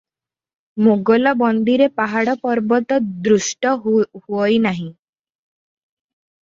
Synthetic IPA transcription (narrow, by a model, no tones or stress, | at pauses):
moɡɔlɔbɔnd̪iɾepaɦaɽɔpɔɾbɔt̪ɔd̪ɾusʈɔhuɔjnaɦĩ